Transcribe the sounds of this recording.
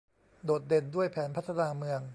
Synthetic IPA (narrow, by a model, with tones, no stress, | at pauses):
doː˨˩t̪̚de˧ndu˥˩əjpʰɛː˩˦npʰa˦˥t̪ʰːa˧naː˧mɯ˧əŋ